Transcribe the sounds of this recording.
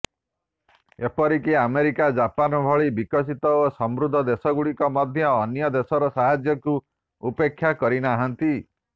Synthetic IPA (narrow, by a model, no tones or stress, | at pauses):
epɔɾikiameɾikad͡ʒapanɔbʱɔɭibikɔs̬it̪ɔosɔmbɾud̪ʱːɔd̪esɔɡuɭikɔmɔd̪ʱjɔːnjɔd̪esɔɾɔsaɦad͡ʒjɔku | upekʰːjakɔɾinaɦant̪i